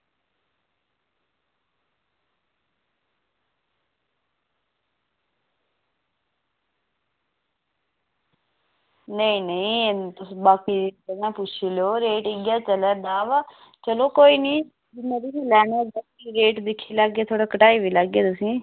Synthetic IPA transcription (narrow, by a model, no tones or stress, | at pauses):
nəĩːnəĩt̪ʊsbaːkiːkəɡãːpʊt͡ʃʰiːloːɾeːʈɪɡjaːt͡ʃəlɛːd̪aːʋa | t͡ʃəloːkoːiːnĩː | d͡ʒɪneːɾiːɦelɛːɳeːɡakiɾeːʈd̪ɪkʰːiːlaɡeːt̪ʰoːɽaːkəʈaːiːʋiːləɡːeːt̪ʊsĩː